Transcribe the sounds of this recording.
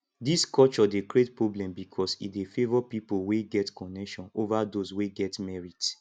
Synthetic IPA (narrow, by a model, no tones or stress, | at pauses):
diskɔt͡ʃɔdekɹietpɹoblɛ̃mbikʰɔsḭdefevɔpipoweɡɛtkɔnɛkʃɔ̃novadosweɡɛtmɛɹid